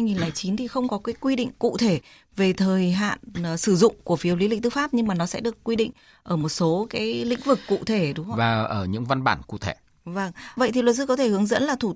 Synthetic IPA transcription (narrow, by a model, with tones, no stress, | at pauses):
ha˧jŋi˨˩nlaː˧˩jt͡ɕi˨˦nt̪ʰi˨˩xə˧wŋ͡mkɔ˨˦kaː˨˦jkwi˧ɗḭ˧˨ŋ̟kṵ˧˨t̪ʰe˧˩ | ve˨˩t̪ʰəː˨˩jɦa̰ː˧˨n˨˩sɨ˧˩zʊ̰˧˨ŋ͡mku˧˩əfi˨˦əwli˨˦lï˧˨ŋ̟t̪ɨ˧˥˦faː˦˥p̚ɲɨ˧ŋmaː˨˩nɔ˨˦sɛ̰˧˥ɗɨ˨˩əkːwi˧ɗḭ˧˨ŋ̟ | ʔəː˧˩mo˨˩t̚so˨˦kaː˨˦jlḭ̈˧˥ŋ̟vɨ˨˩kːṵ˧˨t̪ʰe˧˩ɗʊ˨˦ŋ͡mvaː˨˩ʔəː˧˩ɲɨ̰˧˥ŋva˧nɓaː˧˩nkṵ˧˨t̪ʰe˧˩ | və˧˩ŋvə̰˧˨jt̪ʰi˨˩lwə˨˩t̚s̬ɨ˧˥kɔ˨˦t̪ʰe˧˩hɨ˨˦əŋzə̰˧˥nlaː˨˩t̪ʰu˧˩